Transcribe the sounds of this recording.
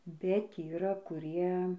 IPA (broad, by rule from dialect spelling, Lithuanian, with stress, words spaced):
bʲɛt iːˈrɐ kʊˈrʲiɛ